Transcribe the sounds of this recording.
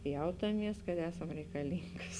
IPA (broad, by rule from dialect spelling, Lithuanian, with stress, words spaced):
ˈjɛʊtɐˌmʲiɛs kɐt ˈæːsɐm rʲɛɪkɐˈlʲiːŋɡɐs